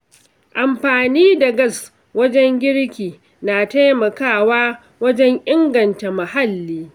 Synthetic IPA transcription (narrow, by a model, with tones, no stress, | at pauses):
ʔa˨mɸaː˨niː˦da˨ɡɐ˦˨s | wɐ˦d͡ʒɛ˦ŋɡʲɪ˦ɽkʲiː˨ | naː˨ta˦jmɐ˨kaː˦˨waː˦ | wɐ˦d͡ʒɛ˦ŋʔɪ˦ŋɡɐ˨nta˨ma˨ha˦lːiː˦